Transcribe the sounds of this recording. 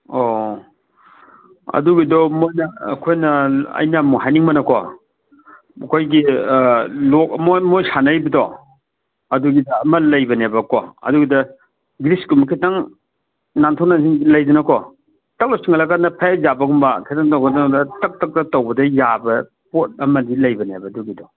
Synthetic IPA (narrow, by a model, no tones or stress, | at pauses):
o | ɐ̰duɡidɔmojnɐ̰ːkʰojnɐɐ̰jnɐmuɦajniŋmɐnɐkʰɔ̰ | ɐkʰojɡi | lok̚mojmojsanɐjbɐdɔ | ɐduɡidɐːmɐlɐjbɐnebɐkɔɐ̰duɡidɐ | ɡɾiskumɐkʰitaŋ | nantʰonaziŋilɐjdunɐkɔ | tɐk̚lok̚siŋalakanɐpʰajazabɐɡumbɐkʰitaŋtɐwbɐdɐndɐtɐk̚tɐk̚tɐtowbɐdɐjabɐ | pot̚ɐmɐdilɐjbɐnebɐduɡidɔ